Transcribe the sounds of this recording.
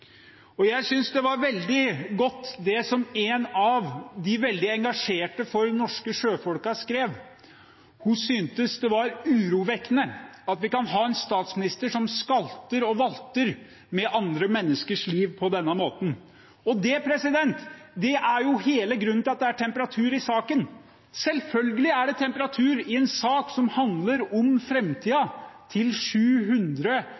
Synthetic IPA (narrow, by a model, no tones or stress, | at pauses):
ɔjæɪsʏnsd̪ɛʋɑɾʋɛld̪ɪɡɔt̪ːd̪ɛsɔmenɑʋd̪ɪʋɛld̪ɪɛŋɡɑʂeːʈəfɔɾnɔʂkəʂøːfɔlkɑskɾeːʋ | hʊsynt̪əsd̪ɛʋɑɾʉːɾuːʋɛknəɑt̪ʋɪkɑnɦɑːɛnst̪ɑːt̪smɪnɪst̪əʂɔmskɑlt̪əɾɔʋɑlt̪əɾ | mɛʔɑnd̪ɾəmɛnːəskəʂliːʋpʰɔd̪ɛnːəmoːt̪n̩ | ɔd̪ɛpʰɾɛsɪd̪ɛnt̪d̪ɛʔæɾjʊheːləɡɾʉnːɪlɑt̪̚d̪ɛæʈʰɛmpəɾɑt̪ʰʉːɾɪsɑːkən | sɛlfœlɡəlɪæɖɛt̪ʰɛmpəɾɑt̪ʰʉːɾɪɛnsɑːksɔmhɑnd̪ləɾɔmfɾɛmt̪ʰiːɑt̪ʰɪlʂʉːɦʉnd̪ɾə